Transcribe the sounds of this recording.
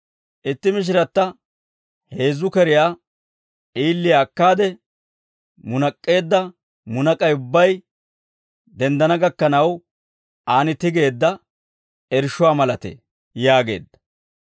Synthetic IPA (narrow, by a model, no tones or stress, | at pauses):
ʔɪt̪ːɪmɪʃ̬ɪɾɐt̪ːɐ | he̞ːzʊkɛɾɪjaː | ʔiːlːɪjaːkːaːd̪ɛ | mʊnɐkʼːe̞ːd̪ːɐ | mʊnɐkʼɐjʊbːɐj | d̪ɛnd̪ɐnɐɡɐkːɐnɐw | ʔaːnɪt̪ɪɡe̞ːd̪ːɐ | ɛɾʃʊwaːmɐlɐt̪ḛː | jaːɡe̞̰ːd̪ːɐ